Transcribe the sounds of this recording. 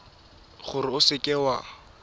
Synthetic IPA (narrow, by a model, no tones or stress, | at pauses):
χʊɾɪʊsɪkʼɛwa